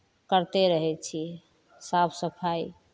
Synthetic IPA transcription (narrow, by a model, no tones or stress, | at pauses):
kəɾt̪eɾəɦɛt͡ʃʰiɛ | sapʰsəpʰaj